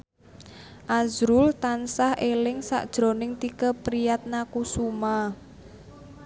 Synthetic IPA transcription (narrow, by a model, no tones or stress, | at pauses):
ʔazɾʊlt̪ansahʔelɪŋsa̰ʔd̥ʒ̥ɾo̤nɪŋt̪ikəpɾijat̪̚nakusuma